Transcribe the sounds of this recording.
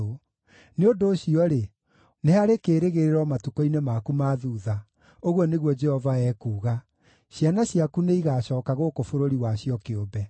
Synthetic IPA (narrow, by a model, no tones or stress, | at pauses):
o | neondoːɕiɔɾe | neɦaɾekeːɾeɣeɾeɾɔmatukɔinemaːkumaðuːða | oɣwɔneɣwɔd͡ʒɛhɔvaɛkuːɣa | ɕjanaɕiakuneiɣaːɕɔːkaɣokofoɾoɾiwaɕiɔkeobɛ